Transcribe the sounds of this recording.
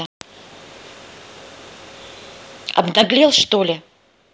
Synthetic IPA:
ɐ̰bd̪ɐɡlʲelˠʂt̪olʲɪ

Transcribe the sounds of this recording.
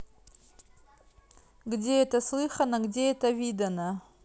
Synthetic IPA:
ɡdʲe̞ɛt̪ɐslˠɨχɐnɐɡdʲe̞ɛt̪ɐvʲid̪ɐnɐ

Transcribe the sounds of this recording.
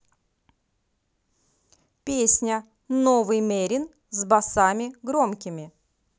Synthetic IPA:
pʲesʲnʲə | novɨjmʲeɾʲɪn | zbɐsamʲɪɡɾomkʲɪmʲɪ

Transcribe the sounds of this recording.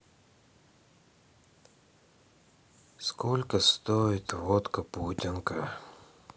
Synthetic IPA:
skolʲkəst̪oɪt̪vot̪kəputʲɪnkə

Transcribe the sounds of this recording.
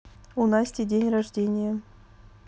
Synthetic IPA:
unɑsʲtʲidʲenʲraʐdʲenʲɪjə

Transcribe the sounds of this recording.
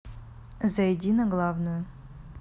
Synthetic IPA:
zɐjɛdʲinɐɡlˠavnujʊ

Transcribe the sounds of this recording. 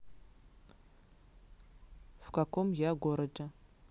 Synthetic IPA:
v̥kakʷomjaɡʷoɾɐd͡ʒʼɐ

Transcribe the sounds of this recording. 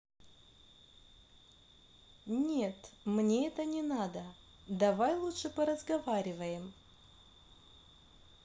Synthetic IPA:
nʲe̞t̪mnʲeɛt̪ənʲɪnad̪ə | d̪ɐvajlˠutʂɨpəɾəzɡɐvaɾʲɪvəjɪm

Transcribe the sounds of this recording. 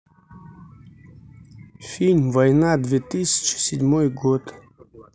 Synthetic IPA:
fʲilʲvɐjnad̪vʲet̪ɨsʲɪ̥t͡ʃɪ̥sʲɪdʲmojɡot̪

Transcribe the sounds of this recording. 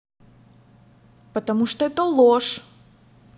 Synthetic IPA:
pət̪ɐmuʂt̪oɛt̪əlˠoʂ

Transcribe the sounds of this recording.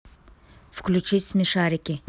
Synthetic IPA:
fklut͡ʃismiʃaːɾɪkʲi

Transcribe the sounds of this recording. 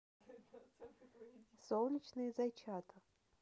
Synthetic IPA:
solˠɲʲit͡ʃʰnɨjzajt͡ʃʰat̪ʰɨ

